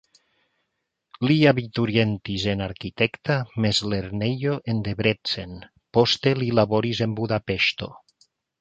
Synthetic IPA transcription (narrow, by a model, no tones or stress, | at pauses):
liaβit̪uɾjent̪izenaɾkit̪ɛkt̪amezleɾneʎoʔend̪eβɾet͡sen | post̪elilaβoɾizembuðapeʃt̪o̰